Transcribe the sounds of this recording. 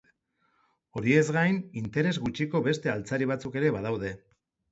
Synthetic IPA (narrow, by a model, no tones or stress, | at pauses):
o̞ɾie̞zɣajnint̪e̞ɾe̞zɣut͡ʃiko̞βe̞st̪e̞alt͡saɾiβ̞at͡suke̞ɾe̞βað̞awð̞e̞